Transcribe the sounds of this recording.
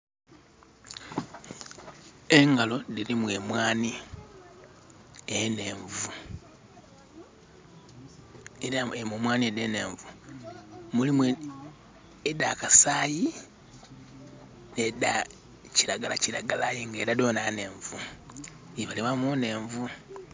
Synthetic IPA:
eŋɡalo̞diɾimwe̞mwaːni | eneːɱvu | aemeːmwaːniedene̞ːɱvu | mulimwe | edakasaːji | neda | ciɾaɡalacilaɡalajeŋɡeːɾado̞ːnane̞ːɱvu | iβaliβamone̞ːɱvu

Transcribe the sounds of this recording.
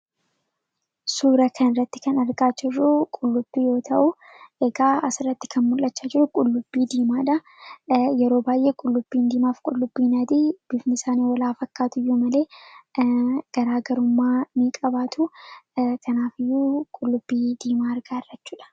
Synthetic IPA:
suːɾɐkʰɐnɪrːɐt̪ːɪ̥kɐnɐɾɡaːt͡ʃːɪrːuːkʼʊlːʊb̥ːiːjo̞ːt̪ʰɐʔʊ | ʔɛɡaːɐsɪrːɐt̪ːɪ̥kʰɐnmʊlːɐt͡ʃːad͡ʒɪɾʊkʼʊlːʊbːiːd̪iːmaːᶑɐ | jɛɾo̞ːbaːjʔe̞ːkʼʊlːʊb̥ːiːnd̪iːmaːfkʼʊlːʊbːiːnɐd̪iːb̥ɪfnɪsaːniːwɔlaːfɐkːaːt̪ʊɪjːʊmɐle̞ː | ɡ̥ɐɾaːɡɐɾʊmːaːmikʼɐbaːt̪ʰu | kʰɐnaːfɪjːuːkʼʊlːʊbːiːd̪iːmaːɐɾɡaːɪrːɐt͡ʃːuːᶑɐ̥

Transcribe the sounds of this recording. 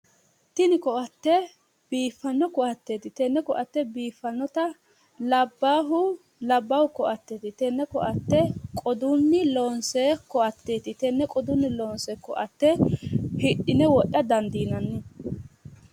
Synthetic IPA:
t̪ɪnɪkɔʔɐt̪ːɛ | b̥iːfːɐnːɔkɔʔɐt̪ːeːt̪ɪt̪ɛnːɛkɔʔɐt̪ːɛbiːfːɐnːɔt̪ɐ | lɐbːaːɦʊ | lɐbːɐwkɔʔɐt̪ːeːt̪ɪt̪ɛnːɛkɔʔɐt̪ːɛkʼɔd̪ʊnːɪloːnsekɔʔɐt̪ːeːt̪ɪt̪ɛnːɛkʼɔd̪ʊnːɪloːnsɛkɔʔɐt̪ːɛhɪʔɪnɛwɔʔːɐd̪ɐnd̪iːnɐnːɪ

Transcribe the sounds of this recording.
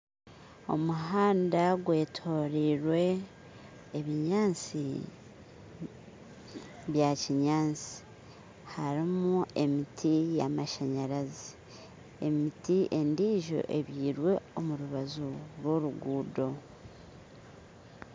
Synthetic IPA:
o̞̰muɦaːndaɡwe̞ːtʰo̞ːɾiɾwe̞ː | βiɲaːnt͡si | βjaciɲaːnt͡si̥ | haɾimue̞mitʰijamaʃaɲaɾazi | e̞̰mitiʔe̞ndiːʒo̞̰ʔe̞βjiːɾwe̞o̞muɾuβazuɾwo̞ɾuɡuːdo̞

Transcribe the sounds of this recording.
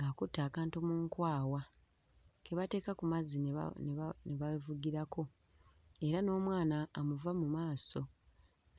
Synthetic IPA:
ŋɡakutːaːkaːntumuːŋkwaːwa | ke̞βate̞ːkakumazḭnneβavuɡiɾakʰo̞ | e̞ɾano̞ːmwaːnaːmuvamumaːso̞

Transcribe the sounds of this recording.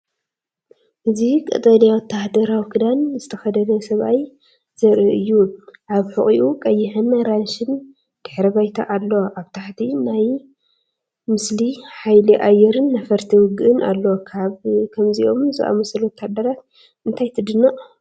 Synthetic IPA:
ʔɨzikʼɐ̰t̪ʼɐlijawɔt̪ʰːahd̪ɐɾawkʰɨd̪anzɨt̪ʰɐxɐd̪ɐnɐsɐβʔaj | z̥ɐɾɨʔɨjːuʔaβħuχʼiʔukʼɐjːɪħɨnɾanʃɨn | d̪̥ɨħɾɐβajt̪ʰa̰ʔalːoʔaβt̪ʰaħt̪ʰinaj | mɨsliħajliʔajɛɾɨnːɐfɐɾt̪ʰiwʊɡɨʔɨnʔa̰lːokʰaβkʰɐmziʔo̞mzɨ̰ʔa̰mɐsɐlwɔt̪ʰːahd̪ɐɾat̪ | ɨnt̪ʰajt̪ʰɨd̪ɨnːɐʔʼ

